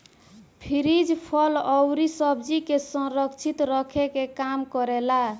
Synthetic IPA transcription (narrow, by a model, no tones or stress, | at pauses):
pʰiɾid͡ʒpʰɔlɔwɾisʌbd͡ʒikesə̃ɾəkt͡ʃʰit̪ɾəkʰekekamkɔɾela